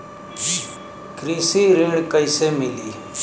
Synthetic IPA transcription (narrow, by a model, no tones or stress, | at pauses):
kɾiːsiːɾeːɽkəɪseːmɪliː